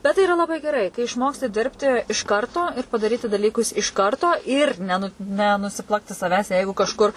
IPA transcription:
ˈbʲɛt tɐɪ ɪˈrɐ lˠɐˈbɐɪ ɡʲɛˈrɐɪ kɐɪ ɪʃˈmoːksʲtʲɪ ˈdʲɪrʲpʲtʲɪ ɪʃ ˈkɐrtoː ɪr pɐdɐˈrʲiːtʲɪ dɐˈlʲiːkʊs ɪʃ ˈkɐrtoː ɪr ˈnʲæːnʊ nʊsʲɪˈplˠɑːktʲɪ sɐˈʋʲæːs ˈjɛɪɡʊ kɐʃˈkʊr

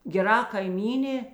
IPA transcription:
ɡʲɛˈrɐ kɐɪˈmʲiːnʲeː

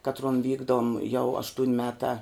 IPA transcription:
ˈkɑːtruɔn ˈʋʲiːɡdoːm jɛʊ ˈɑːʃtuːnʲ ˈmʲæːtɑː

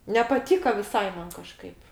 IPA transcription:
nʲɛpɐˈtʲiːkɐ ʋʲɪˈsɐɪ ˈmɐn kɐˈʃkɐɪp

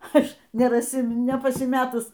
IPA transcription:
ˈɐʃ nʲɛrɐˈsʲɪ nʲɛpɐsʲɪˈmʲæːtʊs

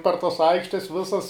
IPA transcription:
pɐr tɐs ˈɐɪkʃʲtʲɛs ˈʋʲɪsɐs

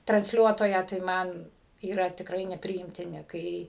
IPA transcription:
trɐnʲsʲˈlʲuɔtoːjæː tɐɪ ˈmɐn iːˈrɐ tʲɪkˈrɐɪ nʲɛpʲrʲɪɪmʲtʲɪˈnʲɪ ˈkɐɪ

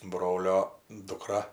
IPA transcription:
ˈbroːlʲoː dʊˈkrɐ

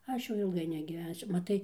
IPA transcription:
ˈɐʃ jɛʊ ɪlˠˈɡɐɪ nʲɛɡʲiːˈʋʲɛnʲsʲʊ mɐˈtɐɪ

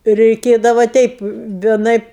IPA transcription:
rʲɛɪˈkʲeːdɐʋɐ ˈtʲɛɪp ʋʲiɛˈnɐɪp

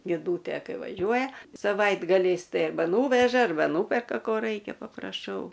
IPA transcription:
nʲɪˈduːtʲeː ˈkɐɪ ʋɐˈʒʲuɔjɛ sɐˈʋɐɪdɡɐlʲɛɪs ˈtɐɪ ɐrˈbɐ ˈnuːʋʲɛʒɐ ɐrˈbɐ ˈnuːpʲɛrkɐ ˈkoː ˈrɐɪkʲɛ pɐprɐˈʃɐʊ

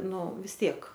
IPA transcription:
ˈnʊ ʋʲɪs ˈtʲiɛk

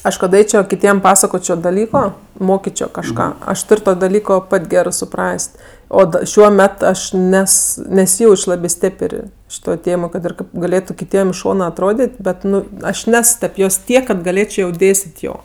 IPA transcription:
ˈɐʃ kɐt ˈɐɪt͡ʃʲoː kʲɪˈtʲiɛm ˈpɑːsɐkoːt͡ʃʲoː dɐˈlʲiːkoː ˈmoːkʲɪt͡ʃʲoː kɐʃˈkɑː ɐʃ ˈtʊrʲ ˈtoː dɐˈlʲiːkoː ˈpɐtʲ ˈɡʲæːrɜ sʊˈprɐsʲtʲ ˈoː ˈʃʲuɔ ˈmʲɛt ˈɐʃ ˈnʲɛs nʲɛˈsʲiːˈjɛʊt͡ʃʲ ˈlˠɑːbʲeː ˈsʲtʲeːpərʲ ˈʃʲɪtoːj ˈtʲeːmoːj kɐt ɪr ˈkɐɪp ɡɐˈlʲeːtʊ kʲɪˈtʲiɛm ɪʃ ˈʃoːnɐ ɐtˈroːdʲeːtʲ ˈbʲɛt ˈnʊ ˈɐʃ ˈnʲɛs tʲɛp ˈjoːs ˈtʲiɛk kɐt ɡɐˈlʲeːt͡ʃʲoː jɛʊ ˈdʲeːsʲtʲeːtʲ ˈjoː

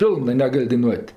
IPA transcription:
ˈpʲɪlˠnɜ nʲɛˈɡɐlʲ dɐɪˈnuɔtʲ

